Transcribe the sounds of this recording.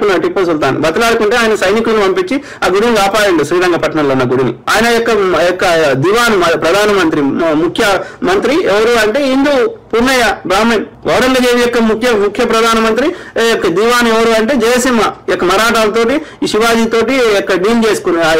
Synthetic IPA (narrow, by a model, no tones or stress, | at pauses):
kunːɐʈipːɐs̬ult̪aːnḭbɐt̪ɐlaːɽukuɳʈeːaːjɐnɐsɐjnikulɐnipɐmpit͡ʃːi | aːɡuɽinikaːpaːɽɐɳɖisiːd̪ɐŋɡɐpɐʈɐnɐmloːunːɐɡuɽinḭa̰ːjɐnɐjɔkːɐɔkːɐd̪iːʋaːnumɐpɾɐd̪ʱaːnɐmɐnt̪ɾimukʰjɐmɐnt̪ɾiɛʋɐɾuɐɳʈe̞ːind̪upunːɐjɐbɾaːmiːnʋʔɐʋɐɾɐŋɡɐd͡ʒeːʋijɔkːɐmukʰjɐmukʰjɐpɾɐd̪ʱaːnɐmɐnt̪ɾiɔkːɐd̪iːʋaːnueʋɐɾuːɐɳʈe̞ːd͡ʒɐːjɐsimːɐjɔkːɐmɐɾaːʈaːlɐt̪̬o̞ːʈiʃiʋaːd͡ʒiːt̪o̞ːʈiɔkːɐɖiːnt͡ʃeːsu̥kun